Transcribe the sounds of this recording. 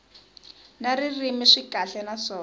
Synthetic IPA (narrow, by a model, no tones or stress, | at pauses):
naririmiʂikaɬɛnasɔː